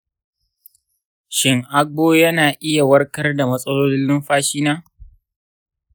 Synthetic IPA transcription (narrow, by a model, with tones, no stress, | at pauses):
ʃɪ˨ŋʔa˦ɡoː˦jɐ˦naː˨ʔɪ˦ja˨wɐ˦rkɐ˦rda˨mɐ˦sʼɐ˦loː˦lɪ˦lːɪ˦mɸaː˦ʃiː˦naː˦